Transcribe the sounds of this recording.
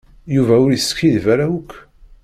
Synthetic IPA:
juvæʊɾiskːiðvæɾæwʊkʷː

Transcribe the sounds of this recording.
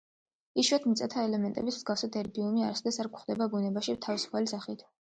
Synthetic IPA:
iʃwɛt̪ʰmit̪sʼat̪ʰaɛlɛmɛnt̪ʼɛbismz̥ɡafsad̪ɛɾb̪iumiaɾsɛd̪ɛsaɾkχd̪ɛbabunɛbaʃit̪ʰavisu̥pʰalisaχit̪ʰ

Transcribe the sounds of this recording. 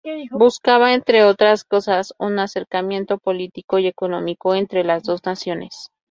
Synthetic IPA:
buskaβae̞nt̪ɾe̞o̞t̪ɾasko̞sasunase̞ɾkamjẽ̞nt̪o̞po̞lit̪iko̞ie̞ko̞nõ̞miko̞e̞nt̪ɾe̞lazðo̞znasjo̞nes

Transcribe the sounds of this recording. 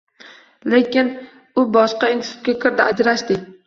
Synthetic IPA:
le̞kʲɪn | ʊbɒʃqɑinssu̥t̪̚kʲakʲʰɪɾd̪ɪad͡ʒɾaʃt̪ɪkʲ

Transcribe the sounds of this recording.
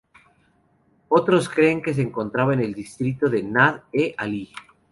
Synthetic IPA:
ot̪ɾoskɾeːŋkes̬eeŋkõ̞nt̪ɾaβaene̞ld̪ist̪ɾit̪oðe̞naðeʔali

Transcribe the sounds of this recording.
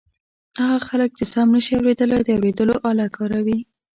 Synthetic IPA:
haɣɑxalək̚d̪əsɑmnəʃiawɾed̪əlajd̪əawɾed̪əloʔɑlɑkɑɾawi

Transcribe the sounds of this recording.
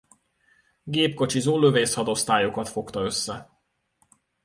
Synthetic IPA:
ɡeːpko̞t͡ʃizuːlːøveːshɒd̪o̞st̪aːjo̞kɒt̪fo̞kt̪ɒø̞sːɛ

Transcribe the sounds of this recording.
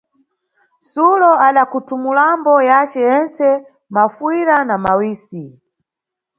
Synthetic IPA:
sulɔaɗakutumulambɔjat͡ʃɛjɛnt͡sɛ | mafwiɾanamawiːsi

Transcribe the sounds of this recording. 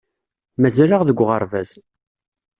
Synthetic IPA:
mæzæɾaʁðəɡʷːʁəɾˤvæz

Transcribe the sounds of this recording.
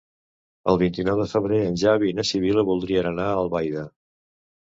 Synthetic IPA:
ə̰lˠβint̪inɔwðəfəβɾeənʲʒaβinəsiβ̞iləβulˠd̪ɾiənənaəlˠβajðə

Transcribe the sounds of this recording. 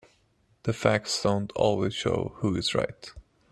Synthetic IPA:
ðɨfæk̚sd̥õʊ̃ntʰɔ̰lˠwez̥ʃo̰ʊhuɨzɹa̰ɪt

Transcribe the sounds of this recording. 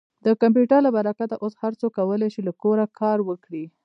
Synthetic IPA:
d̪əkamp̬juʈəɾlabaɾakat̪aʔoshaɾt͡sokawəleʃilakoɾakʰɑɾwəkɽi

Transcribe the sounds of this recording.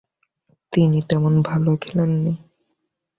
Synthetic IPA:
t̪init̪ɛmonbʱalokʰelenːi

